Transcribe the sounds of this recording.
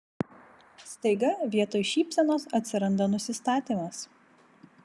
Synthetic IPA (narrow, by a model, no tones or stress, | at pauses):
st̪ɐɪɡɐʋʲiɛt̪oːjʃʲiːpʲsʲɛnoːsɐt̪ʲsʲɪɾɐnd̪ɐnʊsʲɪst̪ɑːt̪ʲiːmɐs